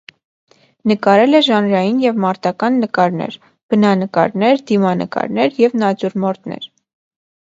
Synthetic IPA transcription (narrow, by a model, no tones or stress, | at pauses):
nəkɑɾɛlɛʒɑnɾɑjinjɛvmɑɾt̪ɑkɑnːəkɑɾnɛ̰ɾ | b̥ənɑnəkɑ̰ɾnɛɾd̪imɑnə̰kɑ̰ɾnɛɾjɛvnɑt͡suɾmɔɾt̪nɛ̰ɾ